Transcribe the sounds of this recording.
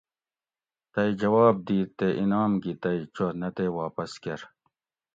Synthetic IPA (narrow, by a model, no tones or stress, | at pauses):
t̪ɐid͡ʑɐwaːb̚d̪iːt̪ːeʔinaːmɡit̪ɐit͡ɕonɐt̪ewaːpɐskɐɾ